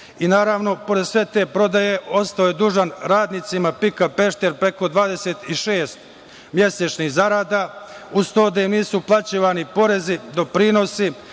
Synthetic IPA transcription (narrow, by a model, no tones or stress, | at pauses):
inaːɾaʋno̞po̞ɾed̪sʋe̞t̪e̞ːpɾo̞d̪aje̞o̞st̪aoje̞d̪uːʒanɾaːd̪nit̪simapikape̞ʃt̪e̞ɾpɾe̞ko̞d̪ʋaːd̪e̞se̞t̪iʃe̞ːst̪̚ | mje̞set͡ʃnixzaɾaːd̪aːust̪o̞ːd̪ajimniːsuplˠat͡ɕiːʋanipo̞ɾe̞zid̪o̞pɾiːno̞si